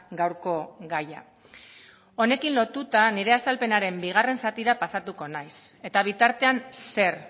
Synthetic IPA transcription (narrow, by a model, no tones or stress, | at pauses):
ɡawɾko̞ɡaja̰ | o̞ne̞kinlo̞t̪ut̪aniɾe̞ast̪alpe̞naɾe̞mbiɣ̞are̞nsat̪iɾapasat̪uko̞najse̞t̪aβ̞it̪aɾt̪e̞anse̞ɾ